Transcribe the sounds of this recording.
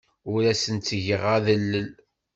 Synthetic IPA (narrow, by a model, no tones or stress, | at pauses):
ʊɾæsənt̪t͡sːʝəʁaðəlːəl